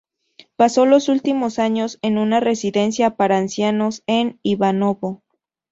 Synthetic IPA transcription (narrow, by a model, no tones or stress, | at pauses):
paso̞lo̞sult̪imo̞saɲo̞se̞nunare̞siðe̞nsjapaɾaːnsjano̞se̞niβano̞βo̞